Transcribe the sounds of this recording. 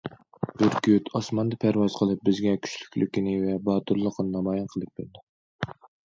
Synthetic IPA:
b̥yɾkʰʲyyt̪ʰɑsmɑnd̪ɑpʰæɾwɑz̥qʰəlˠɨp̚bɪzɡʲɛkʲʰy̥ʃly̥kʲlykʲinɪvɛbɑːt̪uɾlˠəqənɨnɑmɑjɑnqʰəlˠɨp̚b̥ɪld̪ɪ

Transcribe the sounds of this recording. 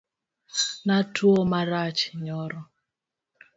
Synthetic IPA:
natuɔmaɾat͡ʃi̥ɲɔɾɔ

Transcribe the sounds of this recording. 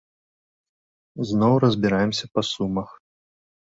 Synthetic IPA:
znɔwrɐzʲbʲiɾajɛmsʲɐpɐsumɐx

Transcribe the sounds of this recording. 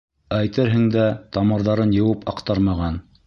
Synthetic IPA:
æjt̪ɘɾɦɘ̆ŋd̪æt̪ɑmɤ̆ɾðɑɾɤnjɤ̆wɤpɑqt̪ɑɾmɑʁɑn

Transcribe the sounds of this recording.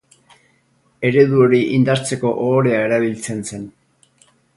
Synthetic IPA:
e̞ɾe̞ðuo̞ɾiʔind̪aɾt͡se̞ko̞ʔoːɾe̞ae̞ɾaβ̞ilt͡se̞nse̞n

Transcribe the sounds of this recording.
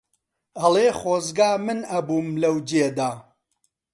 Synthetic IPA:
ɐlˠeχoːzɡaːmɨnɐbuːmlɐwd͡ʒeːd̪aː

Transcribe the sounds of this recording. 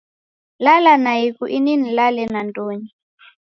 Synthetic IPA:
lalanaikuʔininilalɛnandoːɲi

